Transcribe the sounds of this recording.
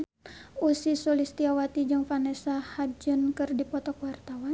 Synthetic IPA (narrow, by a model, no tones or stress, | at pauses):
usisolist̪iawat̪id͡ʒɨŋfanɛsahad͡ʒənkɨrdipɔt̪ɔkwart̪awa